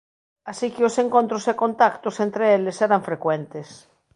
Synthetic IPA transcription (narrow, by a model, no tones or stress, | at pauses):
asikeosẽŋkõnt̪ɾosekõnt̪akt̪osẽnt̪ɾeeleseɾaɱfɾekwent̪es